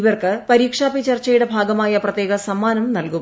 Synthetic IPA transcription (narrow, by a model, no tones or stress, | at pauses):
ʋɐrkɨpɐɾiːkʂaːpit͡ɕɐrt͡ɕːɐjuɽebʱaːɡɐmaːjɐprɐt̪jeːɡɐsɐmːaːnɐmnɐlku